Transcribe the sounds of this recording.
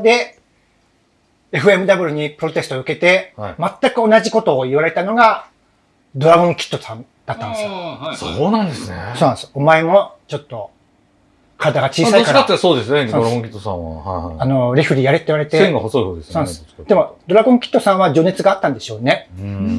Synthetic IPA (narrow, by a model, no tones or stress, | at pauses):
d̪e̞ | e̞ɸɯ̟e̞mɯ̟d̪abɯ̟ɾɯ̟ɲ̟ipɯɾo̞t̪e̞sɨ̥t̪oɯ̟ke̞t̪e̞mat̪ːakɯ̟o̞naʑiko̞t̪o̞ːiβaɾe̞t̪ano̞ɡa | d̪o̞ɾaɡõŋkʲi̥t̪ːo̞sãn | d̪̥at̪ːandessoːnãnd̪esɨneso̞ːnãesɨ̥omaemo̞t͡ɕo̞t̪ːo̞ | kʰaɾad̪aɡat͡ɕiːsaikaɾat̪ːesoːd̪esɨneoɾaɡõkʲit̪ːosã̰βa̰ano̞ɾʲeɸɯ̟ɾʲijaɾet̪ːeiβaɾet̪eeŋɡahosood̪esoːnãsɨ̥ | d̪̥e̞mo̞d̪o̞ɾaɡõ̞ŋkʲi̥t̪ːo̞sãβad͡ʑo̞ne̞t͡sɨɡaːt̪ːãnd̪e̞ɕo̞ːne̞